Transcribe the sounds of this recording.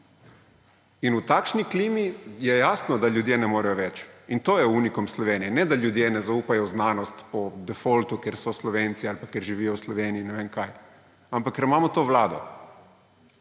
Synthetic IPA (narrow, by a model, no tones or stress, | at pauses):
inut̪akʃnikliːmijɛjaːsnɔd̪aʎuːd̪jenɛmoɾajoʋɛt͡ʃint̪oːjɛunikomslɔʋeːnijɛnɛd̪aʎuːd̪jenɛzauːpajoznaːnost̪pɔd̪ɛfolt̪ukjeɾsɔslɔʋeːnt̪sialpakjeɾʒiʋiːjouslɔʋeːniinɛʋenkaj | ampakːeɾimaːmɔt̪oːʋlaːd̪o̰